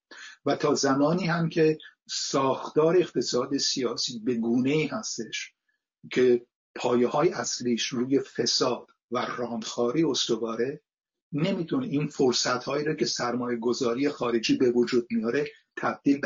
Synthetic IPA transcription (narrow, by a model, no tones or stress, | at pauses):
væt̪ʰɒːzæmɒːniːhæmcʲʰe̞ | sɒːxt̪ɒːɾeeqt̪ʰe̞sɒːd̪esijɒːsiːbe̞ɡuːne̞iːhæst̪e̞ʃ | cʰe̞ | pʰɒːjehɒːjeæsliːʃɾuːje̞fe̞sɒːd̪̥ | værɒːnd̪̥xɒːɾiːo̞st̪ovɒːɾe̞ | ne̞mit̪ʰoneʔiːnfoɾsæt̪hɒːiːɾɒːcʰe̞sæɾmɒːje̞ɡo̞zɒːɾiːje̞xɒːɾe̞d͡ʒiːbe̞vod͡ʒuːd̪̚mijɒːɾe̞ | t̪ʰæb̚d̪̥iːlbe